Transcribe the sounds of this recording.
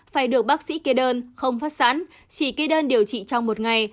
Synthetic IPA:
faː˧˩jɗɨ˨˩ək̚ɓaː˦˥k̚sḭ˧˥ke˧ɗəː˧nxə˧wŋ͡mfaː˦˥t̚sa̰ː˧˥n | t͡ɕi˧˩ke˧˦ɗəː˧nɗi˨˩əwt͡ɕḭ˧˨t͡ɕɔ˧wŋ͡mmo˨˩t̚ŋa˨˩j

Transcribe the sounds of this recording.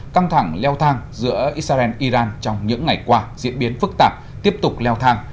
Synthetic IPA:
ka˧ŋt̪ʰa˧˩ŋlɛ˧wt̪ʰaː˧ŋzɨ̰˧˥əʔi˦˥t̚saː˧ɛ˧nʔi˧zaː˧nt͡ɕɔ˧wŋ͡mɲɨ̰˧˥ŋːa˨˩jkwaː˧zḭ˧˥ənɓi˨˦ənfɨ˦˥k̚t̪aː˨˩p̚ | t̪i˦˥əp̚t̪ʊ˨˩k͡p̚lɛ˧wt̪ʰaː˧ŋ

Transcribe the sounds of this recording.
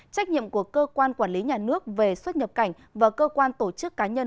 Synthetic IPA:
t͡ɕa˦˥k̟̚ɲḭ˧˨əmku˧˩əkːəː˧kwaː˧nkwaː˧˩nli˨˦ɲaː˨˩nɨ˦˥ək̚ve˨˩swə˦˥t̚ɲə˨˩p̚ka˧˩jŋ̟vaː˨˩kəː˧kwaː˧nt̪o˧˩t͡ɕɨ˦˥kːaː˨˦ɲə˧n

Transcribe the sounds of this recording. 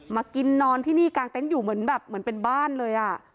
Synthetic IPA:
maː˧ki˧nːɔː˧nt̪ʰiː˥˩niː˥˩kaː˧ŋt̪e˧˥˩njuː˨˩mɯ˩˦ənbɛː˨˩p̚mɯ˩˦npe˧nbaː˥˩nlɤː˧jʔa˨˩

